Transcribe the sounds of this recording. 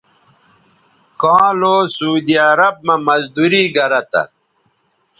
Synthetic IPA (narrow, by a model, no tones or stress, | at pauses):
kãːloːsuːd̪iɐɾɐb̚mɐmɐzd̪uɾiːɡɐɾɐt̪a̰